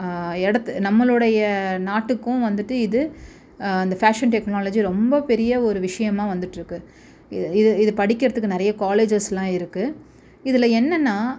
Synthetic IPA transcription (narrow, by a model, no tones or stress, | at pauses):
ɛɽɐt̪ːnɐmːɐɭɯɽɐjɐnaːʈːɯkːʊ̃ʋɐnd̪ɯʈːɯɪðɯ | ɐnd̪ɐfaːʂɐnʈɛknaːlɐd͡ʒiɾɔmbɐpɛɾɪjɐɔɾɯʋɪʂɐjɐmãːʋɐnd̪ɯʈːɪɾɯkːɯ | ɪɪðɯɪðɯpɐɽɪkːɪɾɐðɯkːɯnɪɾɐjɐkaːleːd͡ʒɐslãːɪɾɯkːɯ | ɪðɪlɐɛnːɐnːaː